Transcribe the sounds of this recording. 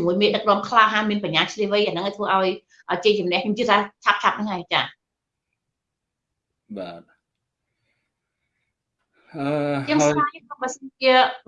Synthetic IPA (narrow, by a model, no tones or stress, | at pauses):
muəjmeːɗək̚rŏəmkʰlaːɦamiənpaɲːaːt͡ɕʰliəhʋɨjʔaːnɨŋʔaɔt̪ʰʋəːʔaɔj | ʔəːt͡ɕeːt͡ɕʊmnɛ̆əkʰɲomt͡ɕiət̪aːt͡ɕʰap̚t͡ɕʰap̚nɨŋhaːjt͡ɕaː | ɓaːt̪̚ | ʔəːjəːaːjɓasənt͡ɕiə